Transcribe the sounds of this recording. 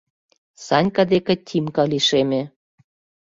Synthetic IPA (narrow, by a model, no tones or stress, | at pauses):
sɑnʲkɑd̪ekĕt̪ʲʰimkɑliʃemĕ